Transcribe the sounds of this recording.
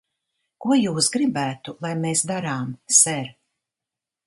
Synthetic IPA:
kuɔjuːsɡɾibæːt̪ulˠajmeːsd̪aɾaːmsɛɾ

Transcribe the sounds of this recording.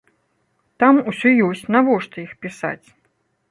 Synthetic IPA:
t̪amusʲɔjɔsʲt͡sʲnavɔʂt̪ɔixpʲisa̰t͡sʲ

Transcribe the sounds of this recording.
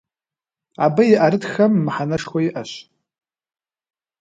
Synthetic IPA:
a̰bajiʔaɾɨtʰxamːħanaʂkʷaiʔaʃʷ

